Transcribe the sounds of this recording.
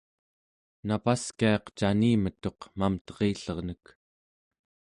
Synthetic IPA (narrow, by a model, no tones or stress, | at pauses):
napaskiɑqt͡ʃaniːmət̪o̞qmamt̪ʌ̥ʁeːɬʌʁnək